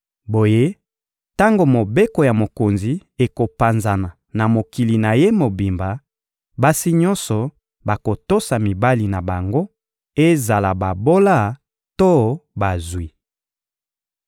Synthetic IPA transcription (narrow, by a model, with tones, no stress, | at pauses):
bo˨je˦ | ta˦ŋɡo˨mo˨be˦ko˨ja˨mo˨ko˨nzi˨e˨ko˨pa˨nza˨na˨ | na˨mo˨ki˨li˨na˨je˦mo˨bi˨mba˨ | ba˦si˦ɲɔ˦nsɔ˨ | ba˨ko˨to˦sa˨mi˨ba˦li˨na˨ba˨ŋɡo˦ | e˦za˨la˨ba˨bo˦la˦˨ | to˦ba˨zwi˨